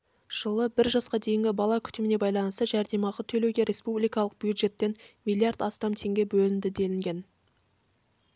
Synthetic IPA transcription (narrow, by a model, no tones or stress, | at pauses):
ʒ̥əlˠəbɪɾʒɑsqɑd̪e̞jɪŋɡʲɪbɑlˠɑkʲʰʏ̥t̪ɪmɪnebɑjlˠɑnəst̪əʒæɾd̪e̞mɑʁɑt̪ʰɵlewɡʲe̞ɾʔe̞spublijkɑlˠəq̚b̥jud̪ʒe̞t̪ːe̞nmʲijlʲˠijard̪ɑst̪ɑmt̪ʰe̞ŋɡʲe̞bɵlɪnd̪ɪd̪e̞lɪŋɡʲe̞n